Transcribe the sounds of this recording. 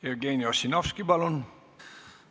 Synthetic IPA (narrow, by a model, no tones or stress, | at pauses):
jewɡeːnʲiosinofskibɑlun